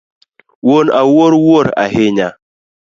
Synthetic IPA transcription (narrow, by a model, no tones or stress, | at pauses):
wonawoɾwoɾa̰heɲa